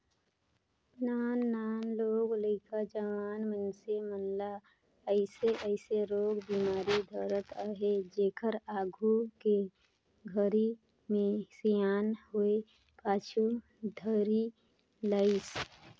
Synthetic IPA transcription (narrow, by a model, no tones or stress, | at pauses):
naːnːaːnloːɡləɪkʰad͡ʒəʋaːnmənsemənla | əɪseʔəɪseɾoːɡbiːmaːɾid̪ʱəɾət̪aɦed͡ʒeːkʰəɾaːɡʱuke | ɡʱəɾi | mẽsijaːnɦoe | paːt͡ʃʰu | d̪ʱəɾi | lais